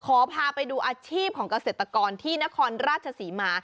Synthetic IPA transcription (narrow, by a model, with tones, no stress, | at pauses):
kʰɔː˩˦pʰaː˧pa˧jduː˧ʔaː˧t͡ɕʰiː˥˩p̚kʰɔː˩˦ŋka˧seː˨˩t̪ɾa˧kɔː˧nt̪ʰiː˥˩na˦˥kʰɔː˧nɾaː˥˩t͡ɕʰa˧siː˩˦maː˧